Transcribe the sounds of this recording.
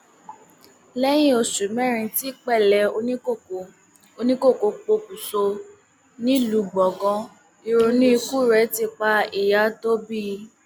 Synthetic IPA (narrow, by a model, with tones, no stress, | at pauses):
lɛ˦j̃ĩ˦o˧su˨˦mɛ̃˦˨ɾ̃ĩ˧ti˦k͡pɛ˦˨lɛ˧˦o˧nĩ˦ko˦˨o˨ | o˧nĩ˦ko˦˨ko˧k͡po˧ku˨so˧ | nĩ˦lu˨˧ɡ͡bɔ˨ɡɔ̃˧ | i˧ɾo˧nĩ˦i˧ku˦˨ɾɛ˨˦ti˧k͡pa˧i˨ja˨˦to˦bi˦˧